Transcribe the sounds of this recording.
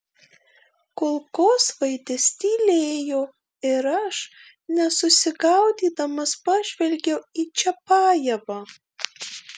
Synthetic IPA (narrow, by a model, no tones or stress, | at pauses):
kolˠkoːsʋɐɪd̪ʲesʲt̪ʲiːlʲeːjo | ɪɾɐʃ | nʲɛsʊsʲɪɡɐʊd̪ʲiːd̪ɐmɐspɑːʒʲʋʲɛlʲɡʲɛʊiːt͡ʃʲɛpɑːjɛʋɐː